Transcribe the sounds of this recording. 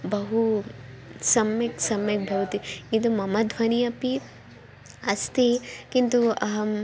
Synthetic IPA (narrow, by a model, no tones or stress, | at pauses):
bɐɦu | sɐmɐksɐmjɐk̚bʱɐʋɐt̪ikint̪̬umɐmɐd̪ʱʋɐniɐpi | ɐst̪ekint̪uɐɦɐ